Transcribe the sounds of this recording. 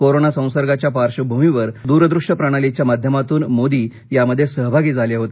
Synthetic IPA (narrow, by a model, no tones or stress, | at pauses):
koɾonasə̃w̃səɾɡat͡ɕjapaɾʂəbʱumiʋəɾd̪uɾəd̪ɾuʂʈəpɾaɽ̃alit͡ɕjamad̪ʱjəmat̪uːnmod̪iː | jaməd̪ʱːjesəɦbʱaɡiːd͡zʱaljaɦot̪e